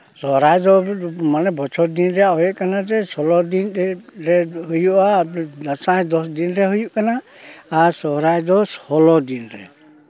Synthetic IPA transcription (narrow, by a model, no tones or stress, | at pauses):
sɔɦɾajd͡ʒɔmanɛbʱɔt͡ʃʰɔd̪inɾɛjaʔɦɔjɔʔkanazɛsɔlɔd̪inɾɛɦujuʔadasajd̪ɔsd̪inɾɛɦujuʔkanaː | ɾsɔɦɾajzɔsɔlɔd̪inɾɛ̰